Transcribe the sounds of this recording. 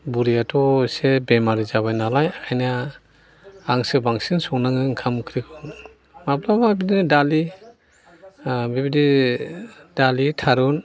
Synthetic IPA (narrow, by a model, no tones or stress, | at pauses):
buɾiatʰɔsebemaɾizaβajnalajakʰajna | aŋsɯbaŋsinsɔŋnaŋɯŋkʰamkʰɾikʰɔn | mablababidinɯdali | bibidi | d̥alitʰaɾun